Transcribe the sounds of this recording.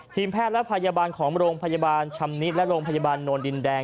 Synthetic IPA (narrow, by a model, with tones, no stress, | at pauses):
t̪ʰiː˧mpʰɛː˥˩t̪̚lɛ˦˥pʰa˧jaː˧baː˧nkʰɔː˩˦ŋɾoː˧ŋpʰa˧jaː˧baː˧nt͡ɕʰa˧mni˦˥t̪̚lɛ˦˥ɾoː˧ŋpʰa˧jaː˧baː˧nːoː˧ndi˧ndɛː˧